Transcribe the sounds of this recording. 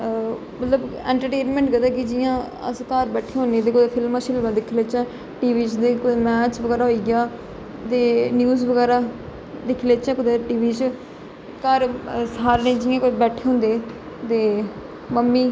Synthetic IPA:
mət̪ləbɛ̰̃ːɳʈəɾʈeːnmẽːɳʈɡəd̪ɛːkɪd͡ʒɪjãː | ə̰skəɾbɛːʈʰeːɦõːnẽːd̪eːkʊd̪eːpʰɪlmãːʃɪlmãːd̪ɪkʰleːt͡ʃɛ̃ː | ʈiːʋiːt͡ʃd̪eːkʊd̪eːmɛːt͡ʃʋəɡɛːɾaːɦoiːɡɪjaː | t̪eːnjuːzʋəɡɛːɾaː | d̪ɪkʰleːt͡ʃɛ̃ːkʊd̪eʈiːʋiːt͡ʃ | kəɾsaːɾnẽːd͡ʒɪjãːkʊbɛːʈʰeːɦõːnd̪eː | t̪eː | məmːiː

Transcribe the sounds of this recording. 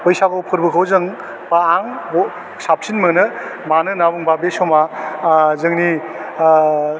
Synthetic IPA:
pɯjsaɡɔwpʰɯɾbɯkʰawzɯŋ | paːŋbɔ | sap̚sinmɯnɯmanɯnabuŋbabesɔma | zɯŋni

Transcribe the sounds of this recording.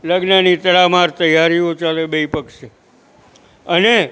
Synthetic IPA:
ləɡnanit̪əɭamaɾt̪əjaɾijot͡ʃalebəipəkʃe | əne

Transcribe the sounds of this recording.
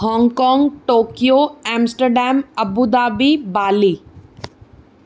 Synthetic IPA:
hɔ̃ːŋɡkɔːŋɡʈoːkijoːɛːmsʈəɾɖɛːmɐbud̪aːbibaːliː

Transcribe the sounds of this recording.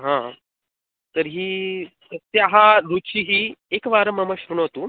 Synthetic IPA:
ɦã | t̪əɾɦiː | ət̪jaɦaɾut͡ɕiːɦiːekʋaɾəməməɕɾuɳɦot̪u

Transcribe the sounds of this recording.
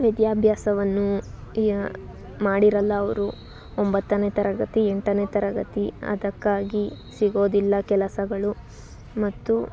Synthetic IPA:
ʋid̪jaːbʱjaːsɐʋɐnːu | maːɽiɾɐlːɐːʋɐɾu | ombɐt̪ːɐneːt̪ɐɾɐɡɐt̪ieɳʈɐneːt̪ɐɾɐɡɐt̪iɐ̰d̪ɐkːaːɡi | siɡo̞ːd̪ilːɐkɛlɐsɐɡɐɭu | mɐt̪ːu

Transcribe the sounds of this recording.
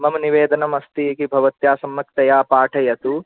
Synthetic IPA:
mɐmɐniʋeːd̪ɐnɐmɐst̪iɐkibʱɐʋɐt̪jaːsɐmːɐkt̪ɐjaːpaːʈʰɐjɐt̪u

